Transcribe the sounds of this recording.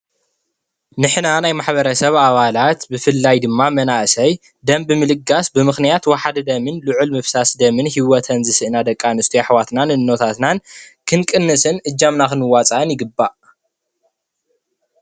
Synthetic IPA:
nɨħnanajmaħbɐɾɐsɐβaβalat̪bɨfɨlːajd̪ɨmːamɐnaʔɨsɐj | d̪ɐmbɨmɨlɨɡasbɨmɨxnijat̪waħad̪ɨd̪ɐmɨnluʕulmɨfsasd̪ɐmɨnhiwɔt̪ʰɐnzɨsɨʔɨnad̪ɐkʼːanɨst̪ʰijaħwat̪nanɨnːo̞t̪ʰat̪nankʰɨnkʼɨnːɨsɨnʔɨd͡ʒːamnakɨnɨwat͡sʼaʔɨnjɪɡɨbːaʔ

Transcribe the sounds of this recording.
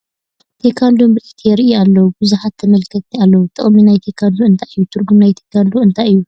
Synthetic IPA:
t̪ʰekʰand̪ombɨʔit̪ʰijɛɾɨʔialːɐwubuzuħat̪ʰːɐmɐlkʰɐt̪ʼːialːɐwut̪ʰɨ̰χʼmːinajt̪ʰekʰand̪uɨnt̪ʰajɨjːut̪ʰɨɾɡumnajt̪ʰekʰand̪oɨnt̪ʰajɨjːu

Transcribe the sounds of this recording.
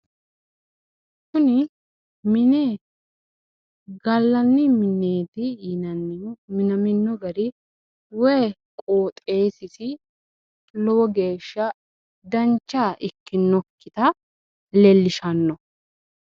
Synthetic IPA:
ʃʊnɪ | mɪne | ɡɐlːɐnːɪmɪnːeːt̪ɪnɐnːmɪnɐmɪnːɔɡɐɾɪ | wɛj | kʼoːt̪ʼe̞ːsɪsɪ | lɔwɔɡe̞ːʃːɐ | d̪ɐnt͡ʃːaːʔɪkːɪnːɔkːɪt̪ɐ | lɛlːɪʃɐnːɔ

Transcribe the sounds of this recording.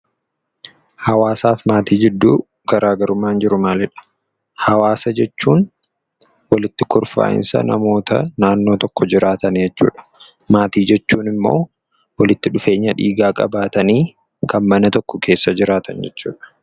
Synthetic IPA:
hɐwaːsaːfmaːt̪iːd͡ʒɪd̪ːuː | ɡɐɾʔaːɡɐɾʊmaːnd͡ʒɪɾʊmaːlɛᶑɐ̥ | hɐwaːsɐd͡ʒɛt͡ʃːuːn | wɐlɪt̪ːɪkʊɾfa̰ːɪ̰nsɐ̰nɐ̰mo̞ːt̪ʰɐ̰naːnːoːt̪ɔkːɔd͡ʒɪɾʔaːt̪ɐnd͡ʒɛt͡ʃːṵːᶑɐ̥maːt̪iːd͡ʒɛt͡ʃːuːnɪmːo̞̰ː | wɐlɪt̪ːɪᶑʊfe̞ːɲːɐᶑḭːɡaːkʼɐ̰baːt̪ɐniː | kɐnmɐnɐt̪ɔkːɔkʰe̞ːsːɐd͡ʒɪɾaːt̪ɐnd͡ʒɛt͡ʃːṵːᶑɐ̥

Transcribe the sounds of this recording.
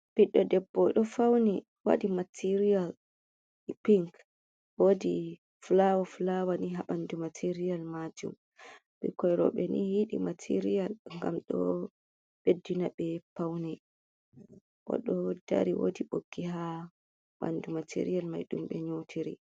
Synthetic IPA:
b̥iɗːɔdɛbːɔɗɔfawni | wa̰ɗimatʰiɾijal | piŋk | wodi | flawaflawaniɦaɓandumatʰiɾijalmad͡ʒṵm | bɛ̰kɔjɾɔ̰ɓɛnihiɗḭmatʰiɾijalŋɡamɗɔ̰ | b̥edːinaɓɛpawnɛ | ʔɔ̰ɗɔda̰ɾiwo̰diɓoɡ̥ːiɦa | ɓa̰ndumatʰḭɾijalma̰jɗumɓɛɲowtʰiɾḭ

